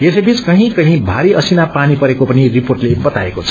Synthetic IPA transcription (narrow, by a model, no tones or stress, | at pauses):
jesʌbʱit͡skʌɦĩkʌɦĩbʱaɾiʔʌsinapanipʌɾekopʌniriporʈlebʌt̪aekot͡sʰʌ